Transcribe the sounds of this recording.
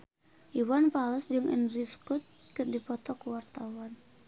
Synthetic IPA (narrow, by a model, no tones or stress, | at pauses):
ʔiwanpaləsd͡ʒɨŋʔɛ̰nɾiskut̪̚kɨrdipɔt̪ɔkuwart̪awan